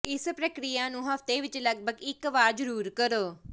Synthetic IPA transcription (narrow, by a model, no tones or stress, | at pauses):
ɪspɾəkɾijaːnũːɦəft̪eːʋɪt͡ʃləɡbəɡɪkʋaːɾd͡ʒəɾuːɾkəɾoː